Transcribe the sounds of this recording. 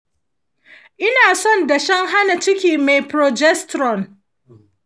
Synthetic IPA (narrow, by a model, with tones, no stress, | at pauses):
ʔɪ˦naː˨sɔ˦nda˨ʃɐ˦ŋɦa˦na˨t͡ʃɪ˦kʲiː˨me˨jpɾɔ˨d͡ʒɛ˦stɾɔ˨n